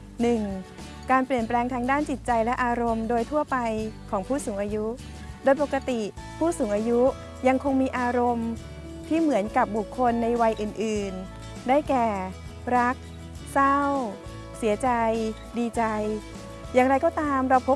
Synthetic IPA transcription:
nɯ˨˩ŋ | kaː˧npli˨˩ənplɛː˧ŋt̪ʰaː˧ŋdaː˥˩nt͡ɕi˨˩t̪̚t͡ɕa˧jlɛ˦˥ʔaː˧ɾo˧mdoː˧jt̪ʰu˥˩ɐpa˧jkʰɔː˩˦ŋpʰuː˥˩suː˩˦ŋʔaː˧ju˦˥ | doː˧jpo˨˩kːa˧t̪i˨˩ | pʰuː˥˩suː˩˦ŋʔaː˧ju˦˥ | ja˧ŋkʰo˧ŋmiː˧ʔaː˧ɾo˧m | t̪ʰiː˥˩mɯ˩˦ənka˨˩p̚bu˨˩kʰːo˧nːa˧jwa˧jʔɯː˨˩nʔɯː˨˩n | daː˥˩jkɛː˨˩ | ɾa˦˥k̚ | sa˥˩w | si˨˩˦ɐt͡ɕa˧j | diː˧t͡ɕa˧j | jaː˨˩ŋɾa˧jkɔː˥˩t̪aː˧mɾaː˧wpʰo˦˥p̚

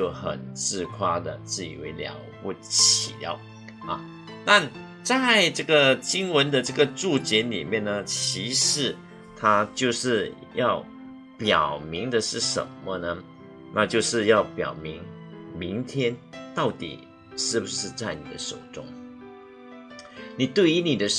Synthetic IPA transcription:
t͡ɕjo˥˩ʊxə̰˨˩nt͡sɻ̩˥˧kʰwa˥d̪ə̰˨t͡sɹ̩˥˩ḭ˨˩we˧˥ɪljɑ̰˧˥ʊpu˥˩t͡ɕʰḭ˨˩ljɑ̰˧˥˦ʊ | ɐ̰˨˩ | t̪a˥˧n | t͡sa˥˩ɪʈ͡ʂɤ˥˩ɡə˩t͡ɕi˥ŋwə˧˦˥nd̪ə˧ʈ͡ʂɤ˥˩ɡə˩ʈ͡ʂu˥˩t͡ɕjɛ˧˥nlḭ˨˩mjɛ˥˩nnə˧t͡ɕʰi˧˥ʂɻ̩˧˥ | t̪ʰa˥t͡ɕjo˥˧ʊʂɻ̩˥˧ | jɑ˥˩ʊ | pjɑ˨˩ʊmi˧˥ŋd̪ə˨ʂɻ̩˥˩ʂə̰˨˩˦nmə˦nə˧ | na˥˧t͡ɕjo˥˧ʊʂɻ̩˥˧jɑ˥˩ʊpjɑ̰˨˩ʊmi˧˦˥ŋmi˧˥ŋt̪ʰjɛ˥nt̪ɑ˥˩ʊt̪ḭ˨˩ | ʂɻ̩˥˩bu˨˩ʂɻ̩˥˧t͡sa˥˩ɪnḭ˨˩d̪ə̰˦ʂo̰˨˩ʊʈ͡ʂʊ̰˥ŋ | ni˨˩t̪we˥˩ɪy˧˥ni˨˩d̪ə˦

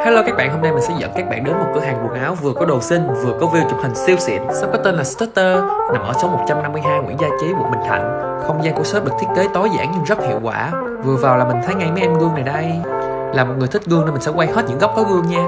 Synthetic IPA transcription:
ha˨˦lə˧kaː˦˥k̚ɓa̰ː˧˨nho˧mna˧jmï˨˩ŋ̟sɛ̰˧˥˩zə̰˧˨nkaː˦˥k̚ɓa̰ː˧˨nɗə˨˦nmo˨˩t̚kɨ̰˧˩ɦaː˨˩ŋku˨˩əŋʔaː˨˦wvɨ˨˩əkɔ˨˦ɗo˨˩si˧ŋvɨ˨˩əkɔ˨˦vi˧əwt͡ɕu˧˨˩p̚hï˨˩ŋ̟si˧əwsḭ˧˨ənsa̰˧˥wkɔ˨˦t̪e˧nlaː˨˩st̪a˦˥tt̪əː˧na˨˩mʔəː˧˩so˨˦mo˨˩t̚t͡ɕa˧mna˧mːɨ˧əjɦaː˧jŋwḭ˧˥əŋzaː˧t͡ɕi˨˦ɓṵ˨˩əɓï˨˩ŋ̟t̪ʰa̰˧˨jŋ̟ | xə˧wŋ͡mzaː˧ŋkṵ˧˥əsəː˦˥p̚ɗɨ˨˩kt̪ʰi˦˥ət̚ke˨˦t̪o˨˦jza̰ː˧˥˨ŋɲɨ˧ŋzə˦˥t̚hḭ˧˨əwkwaː˧˩ | vɨ˨˩əvaː˨˩wlaː˨˩m˨˩ŋ̟t̪ʰə˨˦jŋa˧jma˨˦˥ʔɛ˧mɣu˧əŋna˨˩jɗə˧j | laː˨˩mo˨˩t̚ŋɨ˨˩t̪ʰï˦˥k̚ɣu˧ŋne˧nmi˨˩sɛ˧˥kwa˧jhe˦˥t̚ɲɨ̰˧˥ŋɣa˦˥k͡p̚k̪ɔ˨˦ɣu˧əŋɲaː˧

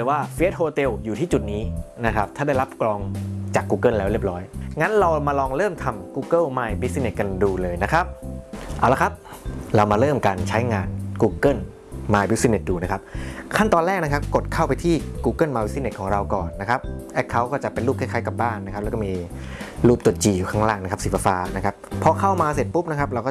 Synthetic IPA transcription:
ɾɯː˨˩˦waː˥˩fi˦˥t̪̚hoː˧t̪e˧wjuː˨˩iː˥˩t͡ɕu˨˩t̪̚niː˦˥na˦˥kʰɾa˦˥p̚t̪ʰaː˥˩da˥˩jɾa˦˥p̚klɔː˧ŋt͡ɕaː˨˩kːuː˧kɤː˥˩nlɛː˦wɾi˥˩əp̚ɾɔː˦˥jŋa˦˥nɾa˧wmaː˧lɔː˧ŋɾɤː˥˩mt̪ʰa˧mkuː˧kɤ˥˩wmaː˧jbi˦˥si˧ne˨˩t̪̚ka˧nduː˧lɤː˧jna˦˥kʰɾa˦˥p̚ʔa˨˩wla˦˥kʰa˦˥p̚ɾa˧wmaː˧ɾɤː˥˩mkaː˧nt͡ɕʰa˦˥jŋaː˧nkuː˧kɤ˥˩n | maː˧jbi˦˥si˧ne˨˩t̚duː˧˩na˦˥kʰa˦˥p̚kʰa˥˩nt̪ɔː˧nlɛː˥˩k̚na˦˥kʰa˦˥p̚ko˨˩t̪̚kʰa˥˩wpa˧jt̪ʰiː˥˩kuː˧kɤ˥˩nmaː˧wi˦˥si˦˥ne˨˩t̚kʰɔː˩˦ŋɾa˧wkɔː˨˩nːa˦˥kʰa˦˥p̚ʔɛ˦˥˩kʰːa˦˥wkɔː˥˩t͡ɕa˨˩pe˧nluː˥p̚kʰɛ˥˩kʰaː˦˥jka˨˩p̚baː˥˩nːa˧˥kʰa˦˥plɛː˧˦˥kɔː˥˩miː˧ | luː˥˩p̚t̪u˨˩t̪t͡ɕiː˨˩ju˨˩kʰaː˥˩ŋlaː˥˩ŋna˥kʰa˦˥p̚siː˨˩˦fa˧faː˧na˦˥kʰa˦˥p̚ʰːɔː˧kʰa˥˩wmaː˧se˨˩t̪̚pu˦˥p̚na˦˥kʰa˦˥p̚ɾa˧wkɔː˥˩

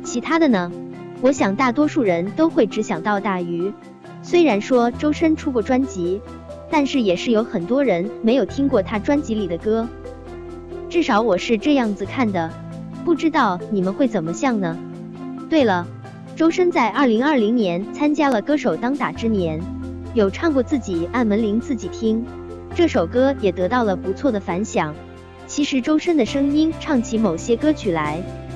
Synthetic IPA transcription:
t͡ɕʰi˧˥t̪ʰa˥d̪ə˨nə˩ | wɔ˧˥ɕjɑ˨˩ŋt̪a˥˩t̪wɔ˥ʂu˥˩ɻə˧˥nt̪o˥ʊxwe˥˩ɪʈ͡ʂɻ̩˧˥ɕjɑ˨˩ŋt̪ɑ˥˧ʊt̪a˥˩y˧˥ | swe˥ɪɻa˧˥nʂwɔ˥ʈ͡ʂo˥ʊʂə˥nʈ͡ʂʰu˥kwɔ˥˩ʈ͡ʂwa˥nt͡ɕi˧˥ | t̪a˥˧nʂɻ̩˥˩jɛ˨˩ʂɻ̩˥˩jo˧˥ʊxə˨˩nt̪wɔ˥ɻə˧˥nme˧˥ɪjo˨˩ʊt̪ʰi˥ŋkwɔ˥˩t̪ʰa˥ʈ͡ʂwa˥nt͡ɕi˧˥li˨˩d̪ə˦kɤ˥ | ʈ͡ʂɻ̩˥˩ʂɑ˧˥ʊwɔ˨˩ʂɻ̩˥˧ʈ͡ʂɤ˥˧jɑ˥˩ŋd͡zɹ̩˩kʰa˥˩nd̪ə˩ | pu˥˩ʈ͡ʂɻ̩˥t̪ɑ˥˩ʊni˨˩mə˦nxwe˥˩ɪt͡sə˨˩nmə˦ɕjɑ˥˩ŋnə˩ | t̪we˥˩ɪlə˩ | ʈ͡ʂo˥ʊʂə˥nt͡sa˥˧ɪʔɐ˞˥˩li˧˥ŋɐ˞˥˩li˧˥ŋnjɛ˧˥nt͡sʰa˥nt͡ɕja˥lə˨kɤ˥ʂo˨˩ʊt̪ɑ˥ŋt̪a˨˩ʈ͡ʂɻ̩˥njɛ˧˥n | jo˨˩ʊʈ͡ʂʰɑ˥˧ŋkwɔ˥˧t͡sɹ̩˥˩t͡ɕi˨˩a˥˩nwə˧˥nli˧˥ŋt͡sɹ̩˥˩t͡ɕi˨˩t̪ʰi˥ŋ | ʈ͡ʂɤ˥˩ʂo˨˩ʊkɤ˥jɛ˨˩t̪ɤ˧˥t̪ɑ˥˩ʊlə˩pu˧˥t͡sʰwɔ˥˩d̪ə˩fa˧˥nɕjɑ˨˩˦ŋ | t͡ɕʰi˧˥ʂɻ̩˧˥ʈ͡ʂo˥ʊʂə˥nd̪ə˨ʂɤ˥ŋi˥nʈ͡ʂʰɑ˥˩ŋt͡ɕʰi˧˥mo˨˩ʊɕjɛ˥kɤ˥t͡ɕʰy˨˩la˧˥ɪ

